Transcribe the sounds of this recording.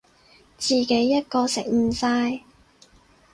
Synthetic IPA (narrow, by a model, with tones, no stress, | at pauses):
t͡siː˨ke˨˥jːɐ˥t̚kɔː˧sɪ̰˨k̚m̩˨˩saː˧j